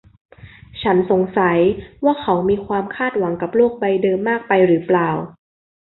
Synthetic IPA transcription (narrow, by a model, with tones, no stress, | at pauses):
t͡ɕʰa˦˥nso˩˦ŋsa˩˦jwaː˥˩kʰa˩˦wmiː˧kʰwaː˧mkʰaː˥˩t̪̚wa˩˦ŋka˨˩p̚loː˥˩k̚ba˧jdɤː˧mːaː˥˩k̚pa˧jɾɯː˩˦plaː˨˩w